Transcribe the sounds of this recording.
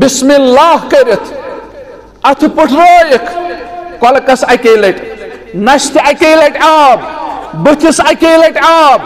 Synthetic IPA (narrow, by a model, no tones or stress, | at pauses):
bismilːaːɦkɐɾet̪ʰ | ɐt̪ʰipuʈʰɾoːjekʰkɔlkɐsɐkelɐʈ | nɐst̪iɐkelɐʈaːbbut̪ʰisɐkeːlɐʈaːb̚